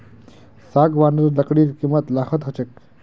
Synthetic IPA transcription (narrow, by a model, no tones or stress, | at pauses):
sakʋanɖəɾlɐkɽiːɾkimət̪laːxət̪ɦɐt͡ʃek